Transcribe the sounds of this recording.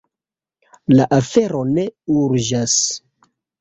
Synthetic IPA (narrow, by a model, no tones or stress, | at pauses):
laʔafe̞ɾo̞ne̞uɾd͡ʒas